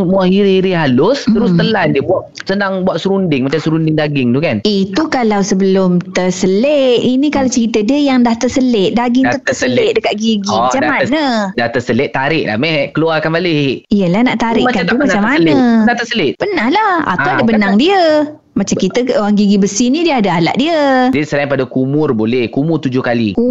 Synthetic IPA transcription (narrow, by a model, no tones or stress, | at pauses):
muahiɾihiɾiɦalʊst̪əɾʊst̪əlandiəbuaʔ | sənaŋbuaʔsəɾundɪŋmat͡ʃamsəɾundɪŋdaɡɪŋt̪ukanit̪ukalawsəbəlʊmt̪ərsəlet̪inikalawt͡ʃəɾit̪ədiəjaŋdaht̪ərsəlɪt̪̚daɡɪŋut̪əsəlɪdəkat̪̚ɡiɡid͡ʒaamanədaht̪əsəlɪʔ̪̚aɾɪʔla̰mɛhkəluarkanbalɪijəlahnaʔt̪aɾɪ̰ʔakant̪umaamːanədat̪əsəlɪt̪̚pənahlaha̰awadabənaŋdiə | mat͡ʃakit̪əoɾaŋɡiɡibəsinidiəadaala̰ʔ̚diədiəsəlainpadakumʊrbolɛhkumʊrt̪ud͡ʒʊhkaliku